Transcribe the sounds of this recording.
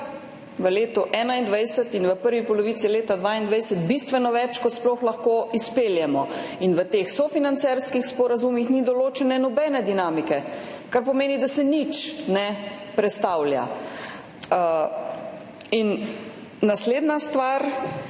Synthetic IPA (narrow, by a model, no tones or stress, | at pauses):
ʋəleːt̪ɔʔɛːnaind̪ʋajsət̪inʋəpəɾʋipɔlɔʋiːt̪sileːt̪ad̪ʋaind̪ʋajsət̪bist̪ʋɛnɔʋɛt͡ʃkɔt̪splɔxlaxkoːispeːljɛmɔinʋət̪eːxsɔfinant̪sɛɾskixspɔɾazumixnid̪ɔloːt͡ʃɛnɛnɔbɛːnɛd̪inaːmikɛ | kaɾpɔmeːnid̪asɛnit͡ʃnɛpɾɛt̪st̪awlja̰ | inː | asleːd̪nast̪ʋaɾ